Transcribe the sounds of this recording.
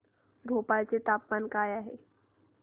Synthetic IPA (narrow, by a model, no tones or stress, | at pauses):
bʱopalt͡set̪aːpmankaːjaɦe